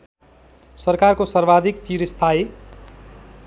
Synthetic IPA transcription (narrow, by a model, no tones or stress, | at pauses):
sʌrkarkosʌrbad̪ʱikt͡siɾst̪ʰae